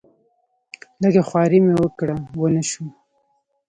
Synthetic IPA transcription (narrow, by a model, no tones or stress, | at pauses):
ləɡaxwɑɾimewəkɽawənəʃu